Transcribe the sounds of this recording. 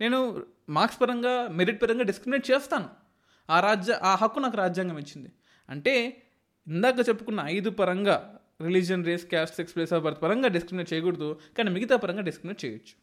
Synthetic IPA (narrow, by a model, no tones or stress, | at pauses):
ne̞ːnu | maːkspɐɾɐŋɡaːmeɾiʈ̚pɐɾɐŋɡaːɖiskɾimineːʈ̚t͡ʃɛːst̪aːnu | aːɾaːd͡ʒjaʔaːɦɐkːunaːk̬uɾaːd͡ʒjaːŋɡaːmit͡ʃːind̪i | ɐ̰ɳʈe̞ː | ind̪aːk̬ɐt͡ʃepːukunːɐːjd̪upɐɾɐŋɡaː | ɾilid͡ʒɐnɾeːskʲaːsʈsekspleːsaːpɐɾt̪pɐɾɐŋɡaːɖiskɾimneːʈ̚t͡ʃɛːjɐɡuɽɐd̪ukaːniːmiɡit̪aːpɐɾɐŋɡaːɖiskɾimineːʈ̚t͡ʃɛ̰ːjɐt͡ʃːu̥